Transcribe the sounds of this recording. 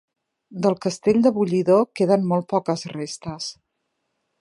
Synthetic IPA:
d̪əlˠkəst̪eʎʲd̪əβuʎiðokeðənmɔlˠt̪̚pɔkəzrest̪əs

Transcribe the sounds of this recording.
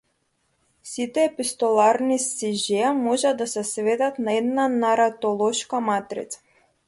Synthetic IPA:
sit̪ɛːpist̪ɔlˠaɾnisiʒɛamɔʒad̪asɛsvɛd̪at̪naɛd̪nanaɾat̪ɔlˠɔʃkamat̪ɾḭt̪sḁ

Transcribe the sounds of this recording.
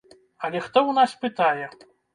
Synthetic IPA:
ɐlʲɛxt̪ɔwnaspɨt̪ajɛ

